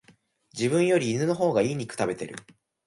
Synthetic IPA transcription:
d͡ʑibɯ̟̃ɰ̃jo̞ɾʲiːnɯno̞ɦo̞ːɡaiːɲ̟ikɯ̥t̪abe̞t̪e̞̰ɾɯ̟̰

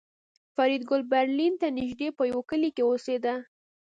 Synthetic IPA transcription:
faɾid̪ɡʊlbaɾlint̪anɪʒd̪epəjawekəlikewosed̪a

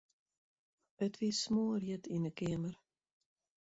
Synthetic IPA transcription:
ətvismoːɾjətʰinəkɛəmər

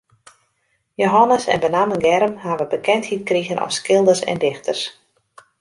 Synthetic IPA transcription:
joɦɔnəsɛ̰nbənamənɡɛɾəmhaːʋəbəkʰɛnthit̚kriɣənʔɔ̰fskɪlˠdərsɛ̰ndɪxtʰərs

